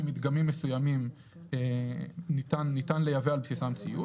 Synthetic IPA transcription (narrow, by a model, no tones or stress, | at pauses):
mit̪ɡamimːesujamim | enit̪anːit̪anlejavealbsisamt͡sḭju